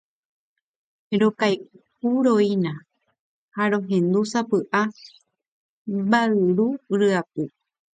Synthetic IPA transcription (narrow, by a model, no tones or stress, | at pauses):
ɾokaj | uɾoinã | haɾõɦẽnd̪usapɨʔa | baɨɾuɾɨap̚ɨ